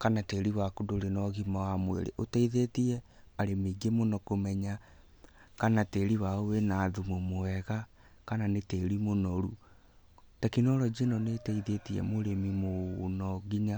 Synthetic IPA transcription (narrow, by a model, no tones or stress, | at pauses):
kanateɾiwakudoɾenɔɣimawamwḛɾḛʔotɛiðetiɛ | aɾemiɡemonɔkomɛɲa | kanateːɾiwaowenaðumomoɛɣa | kananeteːɾimonɔɾu | takinɔɾɔd͡ʑenɔnetɛiðetiɛ̰moɾemimonɔɣiɲa